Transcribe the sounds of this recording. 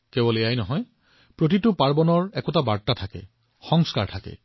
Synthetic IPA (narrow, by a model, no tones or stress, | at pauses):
kɛbɔleajnɔɦɔj | pɹot̬itʊpaɹbɔnɔɹɛkotabaɹtatʰakɛ̰ | xɔŋska̰ɹtʰakɛ̰